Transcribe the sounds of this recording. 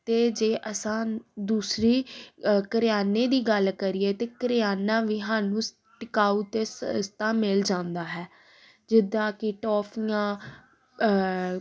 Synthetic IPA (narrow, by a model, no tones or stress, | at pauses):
t̪eːd͡ʒeːʔəsãːd̪uːsɾiːkəɾɪjaːneːd̪iːɡəlkəɾɪeːt̪eːkəɾɪjaːnãːʋiːɦãːnũː | ʈɪkaːuːt̪eːsst̪ãːmɪld͡ʒãːnd̪aːɦɛː | d͡ʒɪd̪ːãːkɪʈɔːpʰijãː